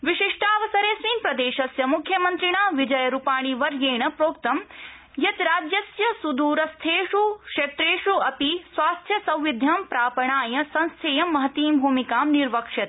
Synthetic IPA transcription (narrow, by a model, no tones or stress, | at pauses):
ʋiʃiʂʈaːʋɐsɐɾeːsʋiːnpɾɐd̪eːʃɐsjɐmukʰjɐmɐnt̪ɾiɳaːʋid͡ʒɐjɐɾupaːɳ̃iʋɐɾɡeːɳɐpɾoːp̚t̪ɐm | jɐt̪ɾaːd͡ʒjɐsjɐsud̪uːɾɐst̪ʰeːʃukʂet̪ɾeːʃuɐpisʋaːst̪ʰjɐsɐ̃w̃ʋid̪ʱjɐmpɾaːpɐɳaːjɐsɐ̃ñst̪ʰeːjɐmːɐɦɐt̪iːmbʱuːmikaːmniɾʋɐkʂɐt̪